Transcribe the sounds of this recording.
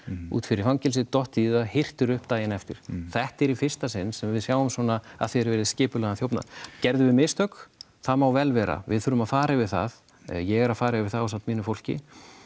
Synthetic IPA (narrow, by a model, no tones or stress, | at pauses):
ṵːt̪fɪɾɪɾ̥fawncɛls̬ɪt̪ɔht̪iːðahɪr̥t̪ʏɾʏhpt̪aːjɪnɛft̪ɪɾ̥θɛht̪ɛɾifɪr̥st̪asɪnːsɛmvɪðsjaːwʏmswɔːnaa̰ðθeɛɾvɛɾɪðscɪːpʏlɛɣanθjowpna̰cɛɾðʏvɪmɪst̪œk | θamawvɛlvɛːɾa̰vɪ̰ðθʏɾʏmaðfaːɾɪvɪðθa̰ð | jɛɣɛɾaðfaːɾɪvɪðθaɔsaw̪t̪miːnʏfowl̥cɪ̰